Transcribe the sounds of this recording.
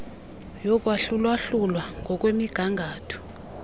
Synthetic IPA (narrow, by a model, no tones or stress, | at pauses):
jɔk̬ʼwaɬulwaɬulwaŋɡʱɔk̬ʼwemiɡ̥ʱaŋɡʱaːtʰɔ̥